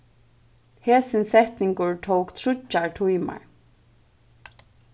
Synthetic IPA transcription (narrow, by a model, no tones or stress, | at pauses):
heːsɪnsɛht̪nɪŋkʊɹt̪ʰowkt̪ʰɾʊt͡ʃːaɹt̪ʰujma̰ɹ